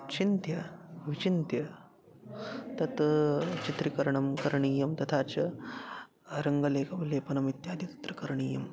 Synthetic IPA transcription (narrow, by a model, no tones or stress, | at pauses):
t͡ʃint̪jɐʋit͡ʃint̪jɐ | t̪ɐt̪t͡ʃit̪ɾikɐɾɐɳɐmkɐɾɳiːjɐmt̪ɐt̪ʰaːt͡ʃɐ | ɾɐŋɡɐleːkɐʋleːpɐnɐmit̪jaːd̪ʱit̪ɐ̥t̪ɾɐkɐɾɳiːjɐm